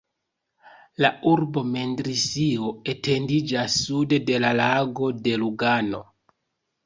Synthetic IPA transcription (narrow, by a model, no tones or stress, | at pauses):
lauɾbo̞me̞ndɾisio̞e̞te̞ndid͡ʒasːude̞de̞lalaɡo̞de̞luɡano̞̰